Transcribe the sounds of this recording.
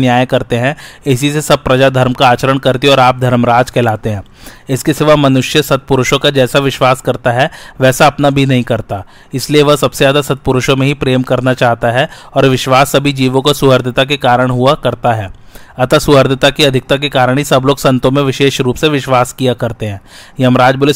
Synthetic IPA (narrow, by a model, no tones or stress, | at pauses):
njaːjkɐɾt̪eɦɛ̃ɪsisesɐb̚pɾɐd͡ʒad̪ʱɐɾmkaaːt͡ʃəɾəɳ̃kɐɾt̪iɔːɾaːp̚d̪ʱɐɾmɾaːd͡ʒkʰɛːlaːt̪eɦɛ̃ː | ɪskisɪʋamɐnʊʃjəsɐt̪̚pʊɾʊʃõkad͡ʒɛːsaʋɪʃʋaːskɐɾt̪aɦɛʋɛːsaɐpnabʱinɐɦĩkɐɾt̪a | ɪslieʋɐɦsɐbsejaːd̪asɐt̪̚pʊɾʊʃõmẽɦipɾeːmkɐɾnat͡ʃaːɦt̪aɦɛ | ɔːɾʋɪʃʋaːsːɐbʱid͡ʒiːʋõkosʊɦəɾd̪ɪt̪ak̬ekaːɾəɽ̃ɦuakɐɾt̪aɦɛː | ɐt̪asʊɦəɾd̪ɪt̪akiɐd̪ʱɪk̚t̪ak̬ekaːɾəɽ̃ɦisɐbloːɡsɐ̃nt̪õmẽʋɪʃeːʃɾuːpseʋɪʃʋaːskijakɐɾt̪eɦɛ̃ːjɐmɾaːd͡ʒbʊlɪ